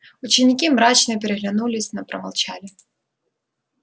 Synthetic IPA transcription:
ut͡ɕɪnʲikʲimɾat͡ɕnɨp̬ʲɛɾɛɣlʲanulʲɪsʲnɐpɾɐ̰mɐ̰lˠt͡ɕalʲɪ

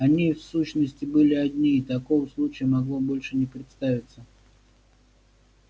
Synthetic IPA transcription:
ɐnʲifsuɕnəsʲtʲɪbɨlʲɪad̪ʲnʲiːt̪ɐkovəslˠut͡ɕɪjəmɐɡlˠobo̞lʲʂɨnʲɪpɾʲɪt̪st̪avʲɪt̪sə

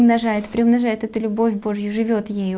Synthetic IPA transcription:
mnɐʐajɪt̪pɾʲɪʊmnɐʐajɪt̪ɛt̪ʊlʲʊbo̞fʲbo̞ʐjʊʐɨvʲo̞t̪jejʊ

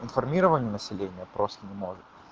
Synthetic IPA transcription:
ɪnfɐrmʲiɾəvənʲɪjnəsʲɪlʲenʲɪjəpɾo̞st̪ənʲɪmo̞ʐɨt̪

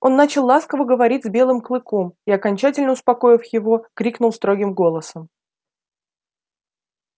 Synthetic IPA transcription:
o̞nːat͡ɕɪlˠːaskəvəɡəvɐɾʲitʲzbʲe̞lˠɨmklˠɨko̞miɐkɐnʲt͡ɕætʲɪlʲnəʊspɐko̞jɪfjɪvo̞kɾʲiknʊlˠst̪ɾo̞ɡʲɪmɡo̞lˠəsəm

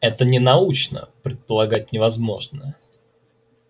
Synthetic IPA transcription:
ɛt̪ənʲɪnɐut͡ɕnə̰pɾʲɪt̪̚pəlˠɐɡat̚ʲnʲɪvɐzmo̞̰ʐnə

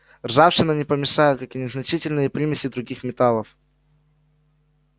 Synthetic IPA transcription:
rʐafɕɪnənʲɪpəmʲɪʂajʊt̪kakɪnʲɪznɐt͡ɕitʲɪlʲnɨjəpɾʲimʲɪsʲɪd̪ɾʊɡʲixmʲɪt̪alˠəf

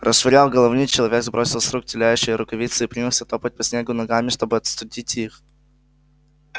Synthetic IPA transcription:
rʔəsʂvɪɾʲalˠɡɐlˠovnʲɨt͡ɕːɪlˠɐvʲe̞ɡzbɾo̞sʲɪlˠsɾuk̚tʲɪlʲæjʉɕːɪjəɾʊkɐvʲit̪sɨipɾʲimʲɪlˠsʲɐt̪o̞pət̚ʲpɐsʲnʲeɡʊnɐɡamʲɪʂt̪o̞bɨɐt̪st̪ʊdʲitʲix

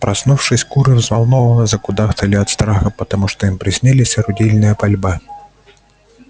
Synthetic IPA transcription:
pɾɐsnufʂɨsʲkuɾɨvzvɐlˠnɔvɐnɐzɐkʊd̪axt̪ɐlʲiɐt̪st̪ɾaxɐpɐt̪ɐmuʂt̪ɔimpɾʲɪsʲnʲɛlʲɪsʲɐɾʊdʲilʲnɨjɐpɐlʲba

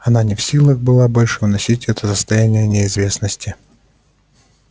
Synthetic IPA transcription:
ɐnanʲɪfsʲilˠəɣbɨlˠabo̞lʲʂɨvnɐsʲitʲɛt̪əsəst̪ɐjænʲɪjənʲɪɪzvʲe̞snəsʲtʲɪ

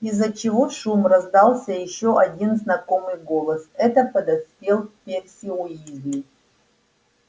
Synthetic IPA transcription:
izːət͡ɕɪvoʂumrɐzd̪alˠsʲəjɪɕːoʔɐdʲinznɐko̞mɨjɡo̞lˠəsɛt̪əpəd̪ɐspʲelˠfpʲersʲɪʊjizʲnʲɪ

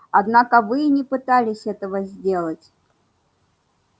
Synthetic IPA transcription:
ɐd̪nakəvɨnʲɪpɨt̪alʲɪsʲɛt̪əvəzʲdʲelˠətʲ

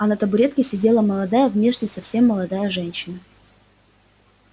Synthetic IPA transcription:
ɐnət̪əbʊɾʲe̞t̪kʲɪsʲɪdʲe̞lˠəməlˠɐd̪ajəvnʲeʂnʲɪjsɐfsʲe̞mːəlˠɐd̪ajəʐɛnʲɕːɪnə

